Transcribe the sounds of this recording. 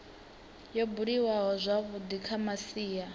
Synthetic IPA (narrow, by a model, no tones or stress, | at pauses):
jɔbuɺiwaɦɔzʷaβud̪ikʰamasiːja